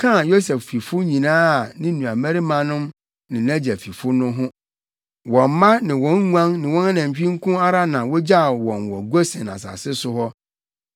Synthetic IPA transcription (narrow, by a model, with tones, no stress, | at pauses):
kʰã˦˨jo˦sɛ˨ffi˨fʊ˦ɲĩ˨nãː˦a˨nɪ̃˦nũ˨a˨mæ˦ɾi˦mã˨nʊ̃˦m | nɪ̃˨næ̃˦d͡ʑæ˨fi˨fʊ˦nʊ̃˦ɦʊ̃˦ | wɔ̃˨m˦mã˦nɪ̃˨wɔ̃˦ŋ˦ŋ˦ã˦ŋnɪ̃˨wɔ̃˦na˦nã˨ɲ˨t͡ɕᶣĩ˦ŋ̩˦kʰʊ̃˦a˦ɾa˦nã˨wɔ˦d͡ʑa˦˨wɔ̃˨nwɔ˨ɡo˦sɛ̃˨na̰˨sa̰˨sɪ˦sʊ˦ɦɔ˦